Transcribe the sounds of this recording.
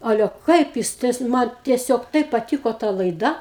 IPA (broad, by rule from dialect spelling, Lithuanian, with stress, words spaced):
ˈɑːlʲɛ ˈkɐɪp jɪs tɐɪs ˈmɐn tʲiɛˈsʲoːk ˈtɐɪp pɐˈtʲiːkoː tɐ lˠɐɪˈdɐ